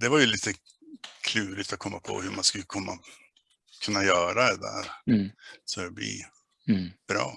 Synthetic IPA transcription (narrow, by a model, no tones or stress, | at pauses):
d̪ɛvaɾjɵliːt̪ə | kʰlʉːɾɪt̪at̪̚kʰɔmːapʰɔ̰hɵmanskɵlːəkʰɔmːa̰ | kʰɵnːajœːɾad̪ɛd̪æ̰ːɾ | sɔɾɛblḭ | b̥ɾɑ̰ː